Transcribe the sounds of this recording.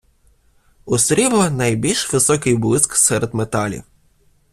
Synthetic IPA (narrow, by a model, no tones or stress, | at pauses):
ʊsɾʲiʋlˠɐnɐjbʲilʲʃʋɪsɔkɪjbʊlˠɪsksɛɾed̪met̪ɑlʲḭw